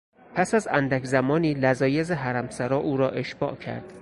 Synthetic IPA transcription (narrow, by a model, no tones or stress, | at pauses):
pʰæsæzænd̪ækʲʰzæmɒːniːlæzɒːjezeɦæɾæmsæɾɒːʔuːɾɒːʔe̞ʃb̥ɒ̰ːʔcʰæ̰ɾd̪̥